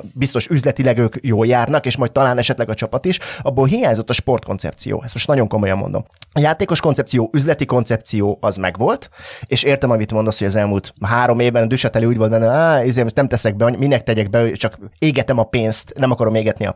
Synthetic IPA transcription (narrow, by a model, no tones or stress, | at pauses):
bist̪o̞ʃyzlɛt̪ilɛɡøːkjoːljaːrnɒkeːʃmɒj̚t̪ɒlaːnɛʃɛt̪lɛɡɒt͡ʃɒpɒt̪iʃɒbːolɦijaːɲzot̪ːɒʃpo̞rt̪ko̞nt̪sɛ̰p̚t̪sḭjo̰ːɛst̪mo̞ʃt̪nɒɟo̞ŋko̞mo̞jɒ̰mːo̰nd̪omɒjaːt̪eːko̞ʃko̞nsɛpt̪sijoːʔyzlɛt̪iko̞nt̪sɛp̚t̪sijoːɒzmɛ̰ɡʋo̞lt̪eːʃeːrt̪ɛmɒmit̪mond̪osho̞ɟɒzɛlmuːlt̪ɦaːɾo̞meːvbɛnd̪yʃɛt̪ɛleːuːɟvolt̪bɛnːɛaizeːmt̪nɛmt̪ɛsɛɡ̚bɛɒɲminːɛk̚t̪ɛɟɛɡ̚bɛt͡ʃɒkeːɡɛt̪ɛmɒpeːnst̪nɛmɒkɒɾo̞meːɡɛt̪niɒ̰